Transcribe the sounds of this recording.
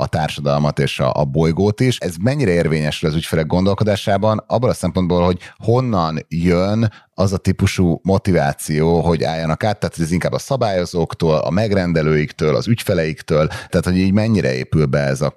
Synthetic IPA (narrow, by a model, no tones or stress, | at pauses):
ɒ̰t̪aːrʃɒd̪ɒlmɒt̪eːʃɒ̰ʔɒbojɡoːt̪iʃɛzmɛɲːiɾɛeːrveːɲɛʃylɒzycfɛlɛɡːond̪o̞lko̞d̪aːʃaːbɒnɒbːolɒsɛmpond̪boːlho̞ɟho̞nːɒnjønɒzɒt̪ipuʃumo̞t̪ivaːt̪sijoːɦo̞ɟa̰ːjːɒnɒkaːt̪ːaːt̪hoɛziŋkaːbːɒsɒbaːjo̞zoːkt̪oːlɒ̰mɛɡrɛnd̪ɛløːjikt̪øːlɒ̰zycfɛlɛjikt̪øːlaːt̪ho̞ɟiːɟmɛɲːiɾʔɛ̰ḛːpylbɛɛzɒ